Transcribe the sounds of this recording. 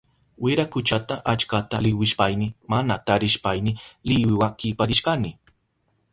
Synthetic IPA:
wɪɾakʊt͡ʃat̪aʔat͡ʃkat̪alɪwɪʃpajnɪmanat̪aɾɪʃpajnɪlɪwɪwakɪpaɾɪʃkanɪ

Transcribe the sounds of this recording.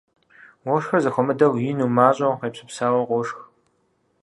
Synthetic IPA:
wɔʂxɐrzɐxʷɔmɨdɐwjinuːmaːɕʼɐwqeːpɕɪpsaːwɐqʷɔʂx

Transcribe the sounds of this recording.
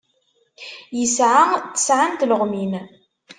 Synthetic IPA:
jəsʕat̪ːə̥sʕant̪ləʁmin

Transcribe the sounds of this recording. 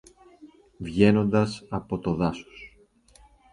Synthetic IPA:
vʝe̞no̞nd̪ɐsɐpo̞t̪o̞ðɐso̥s

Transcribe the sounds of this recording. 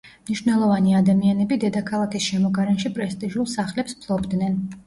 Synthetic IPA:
mniʃwvnɛlˠɔvaniad̪amianɛbid̪ɛd̪akʰalˠakʰisʃɛmɔɡaɾɛnʃipʼɾɛst̪ʼiʒulˠsaχlɛpspʰlˠɔbd̪nɛn

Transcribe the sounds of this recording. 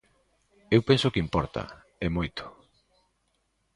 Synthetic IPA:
ewpensʊkɪimpɔɾt̪ɐ̰ | emojt̪ʰo̥

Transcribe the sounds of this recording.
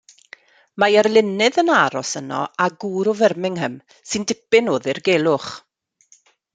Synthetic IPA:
majɛrlˠɪnɨðənaɾɔsənɔ̰aɡuːɾɔvɛrmɪŋɦəm | sɨndɪpɪnoːðɪrɡelˠʊχ

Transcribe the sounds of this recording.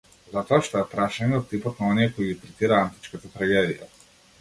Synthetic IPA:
zat̪ɔaʃt̪ɔɛp̪ɾaʃɛɲɛɔt̪ːipɔt̪̚naɔnijɛkɔjiɡit̪ɾɛt̪iɾaant̪i̥t͡ʃkat̪at̪ɾaɡɛd̪ija̰

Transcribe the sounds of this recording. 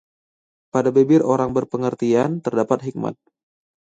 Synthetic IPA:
padabebɪroɾaŋbərpəŋərt̪iant̪ərdapat̪̚ɦik̚ma̰t̪̚

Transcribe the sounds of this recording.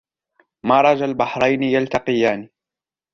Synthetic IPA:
maːɾˤɑd͡ʒalbaħɾˤɑjnɪjalt̪ɑqɪjaːniː

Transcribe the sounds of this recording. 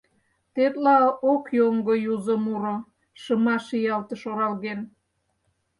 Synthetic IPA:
t̪et̪lɑokjoŋɡojuzə̆muɾŏ | ʃə̆mɑʃijɑlt̪ə̆ʃoɾɑlɣen

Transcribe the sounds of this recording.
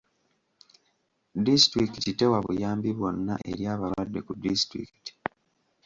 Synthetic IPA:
distɾikitite̞waβṵjaːmbiβwo̞nːa̰ʔʔe̞ɾjaːβalwadːe̞kudistɾḭki̥ti̥

